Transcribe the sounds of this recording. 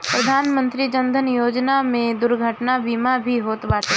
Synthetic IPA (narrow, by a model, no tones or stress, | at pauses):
pɾəd̪ʱaːnmə̃nt̪ɾid͡ʒə̃nd̪ʱənjoːd͡ʒnamẽd̪ʊɾɡʱəʈnabiːmabʱiɦoːt̪baːt̪e